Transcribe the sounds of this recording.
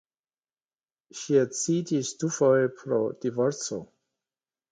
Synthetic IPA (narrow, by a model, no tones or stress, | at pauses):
ʃiat͡sitisdufojepʰɾod̥ivoɾt͡so